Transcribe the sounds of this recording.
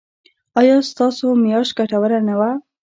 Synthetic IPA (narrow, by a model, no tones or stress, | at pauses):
ɑjɑst̪ɑsomijɑʃɡaʈawəɾanawa